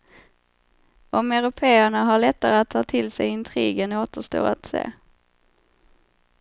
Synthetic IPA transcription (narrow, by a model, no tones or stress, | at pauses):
ʔɔmɛɾʊpʰeːæɳaɦaɭɛt̪ːaɾəat̪ʰːɑːt̪ʰɪlsɛjɪnt̪ʰɾiːɡənoːt̪əʂt̪o̰ːa̰t̪sḛː